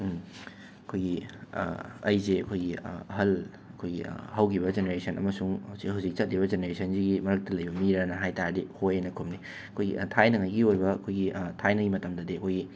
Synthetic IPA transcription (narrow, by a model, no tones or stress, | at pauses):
ɐkʰojɡḭ | ɐ̰jzeɐkʰojɡiɦɐl | ɐkʰojɡḭhɐwkʰiβɐd͡ʒeneɾesʰɐnɐ̰mɐsuŋwzihuwzik̚t͡ʃɐt̚liβɐzeneɾesʰɐnziɡimɐɾɐk̚tɐlɐjbɐmiɾɐnɐɦajtaɾɐdihojenɐkʰumni | ɐkʰojɡḭtʰajnɐŋɐjɡiojbɐɐkʰojɡitʰajnɐɡimɐtɐmdɐdiɐkʰojɡi